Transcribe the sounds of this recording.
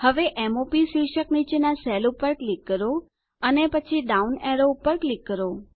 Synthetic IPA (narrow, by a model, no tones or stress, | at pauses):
həʋeʔɛmopisiʃəknit͡ʃenasɛlupəɾʈlikːəɾo | ənepət͡ʃʰiɖauneɾoupəɾʈlikːəɾo